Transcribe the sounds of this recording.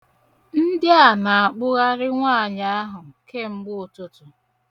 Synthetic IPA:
n̩˦dɪ˦a˨na˨a˨k͡pʊ˦ɣa˦ɾɪ˦ŋʷaː˦˨ɲa˦a˦ɦʊ˨ke˦ŋ͡m̩˦ɡ͡bʊ˦o˨to˨tʊ˨

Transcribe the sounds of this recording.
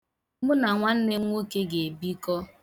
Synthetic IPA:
bʊ˦na˨ŋʷa˦n̩˦nɪ˦ŋʷo˦ke˦ɡe˨bi˦kɔ˦

